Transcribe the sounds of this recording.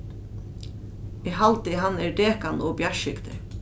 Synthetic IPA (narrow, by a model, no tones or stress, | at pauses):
ɛɣɦalt̪ɪɦanːɛɹd̪eːkanɔbjaʃɪkt̪ɪ̰